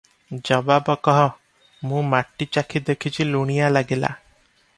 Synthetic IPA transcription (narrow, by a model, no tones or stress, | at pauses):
d͡ʒɔbabɔkɔɦɔ | mũːmaʈːit͡ʃakʰid̪ekʰit͡ʃʰiluɽ̃ijalaɡela̰